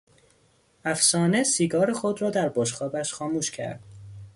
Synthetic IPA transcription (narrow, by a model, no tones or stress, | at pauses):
æfsɒːnesiːɡɒːɾexod̪rɒːd̪æɾboʃxɒːbæʃxɒːmuːʃcʰæ̰ɾd̪̥